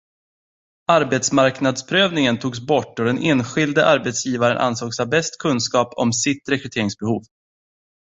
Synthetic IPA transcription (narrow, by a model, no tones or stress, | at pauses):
aɾbɛt̪smaɾknad̪spʰɾøːvnɪŋənt̪ʰuːɡs̬bɔʈːɔd̪ɛneːnɧɪld̪əʔaɾbɛt̪sjiːvaɾənʔa̰nsoːɡsabɛst̪kʰɵnskɑːpʰɔ̰msɪt̪ɾɛkɾɵt̪ʰeːɾɪŋsbɛhuːv